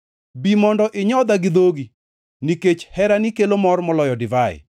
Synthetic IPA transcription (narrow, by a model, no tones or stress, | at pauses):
bimɔndɔʔɪɲɔd̪aɡɪd̪oɡi | niket͡ʃhɛɾanikelomɔrmɔlɔjɔdɪvaɪ̰